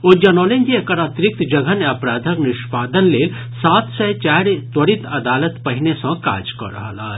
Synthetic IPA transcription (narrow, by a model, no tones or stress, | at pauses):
od͡ʒɐnoːlẽŋɡiekəɾɐt̪ɾɪk̚t̪d͡ʒɐɡəneɐpɾaːd̪ʱəknɪʃpaːd̪ənleːl | saːt̪sɛt͡ʃaːɾt̪wəɾɪt̪ɐd̪aːlət̪pɐɦɪnesɐ̃ka̰ːd͡ʒkɔ̰ɾɐ̰ɦala̰ː